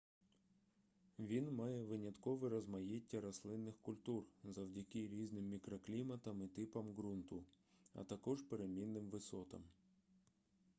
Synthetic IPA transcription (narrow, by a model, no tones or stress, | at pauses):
ʋʲinmɑjɛʋɪnʲɐt̪kɔʋɛɾɐzmɐjetʲːɐɾɐslˠɪnːɪxkʊlʲt̪urzɐwdʲɐkɪɾʲiznɪmːʲikɾɔklʲimɐt̪ɐmɪt̪ɪpɐmɡɾunt̪ʊ | ɐ̰t̪ɐkɔʒpeɾemʲinːɪmʋɪsɔt̪ɐ̰m